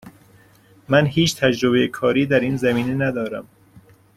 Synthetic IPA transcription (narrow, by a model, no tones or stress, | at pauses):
mænɦhiːt͡ʃʰt̪ʰæd͡ʒɾobejekʰɒːɾiːd̪æɾiːnzæmiːnenæd̪ɒːɾæm